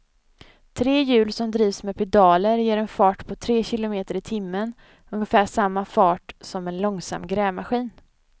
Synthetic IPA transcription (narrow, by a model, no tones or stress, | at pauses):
t̪ʰɾeːjʉ̟ːlsɔmd̪ɾiːvsmɛpʰɛd̪ɑːləɾjeːɾɛnfɑːʈpʰɔt̪ʰɾeːɕɪlʊmeːt̪əɾɪt̪ʰɪmːən | ɵŋəfæːʂamːafɑːʈsɔmɛnlɔŋsa̰mːɡɾɛːmaɧiːn